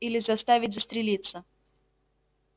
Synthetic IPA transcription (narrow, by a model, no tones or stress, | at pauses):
ilʲɪzɐst̪avʲɪt̚ʲzəst̪ɾʲɪlʲit̪sə